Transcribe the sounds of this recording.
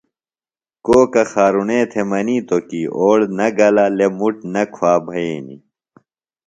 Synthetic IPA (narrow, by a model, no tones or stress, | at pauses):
koːkɐxaːɾunẽːt̪ʰemɐniːt̪okiʔoːɽnɐɡɐlɐlemuʈnɐkʰwaːbʱɐeːnḭ